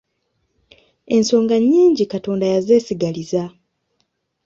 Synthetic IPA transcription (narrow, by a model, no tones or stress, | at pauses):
e̞nso̞ːŋɡaɲːiːɲɟikato̞ːndajaze̞ːsiɡaliza